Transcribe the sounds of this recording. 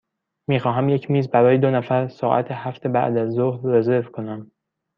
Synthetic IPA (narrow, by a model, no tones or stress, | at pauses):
miːxɒːɦæmje̞cʰmiːzbæɾɒːjed̪onæfæɾsɒːʔæ̰t̪ʰehæft̪ʰe̞bæ̰ʔd̪æzːohɾːe̞ze̞ɾvkʰo̞næm